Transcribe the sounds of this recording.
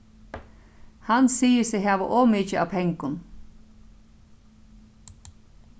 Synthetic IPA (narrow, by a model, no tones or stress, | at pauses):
hansiːəsɛɦæːʋə̰ʔoːmɪcəɑ̰ːp̪ʰɛŋkʊn